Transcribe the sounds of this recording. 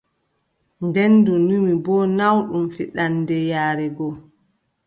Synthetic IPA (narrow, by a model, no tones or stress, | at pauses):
ndɛndunimibɔnawɗumfiɗanːdɛjaːɾɛɡɔ